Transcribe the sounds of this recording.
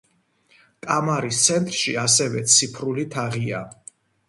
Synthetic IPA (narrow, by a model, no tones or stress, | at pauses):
kʼamaɾist̪sʰɛnt̪ʼɾʃias̬ɛvɛt̪sʰipʰɾulit̪ʰaʁia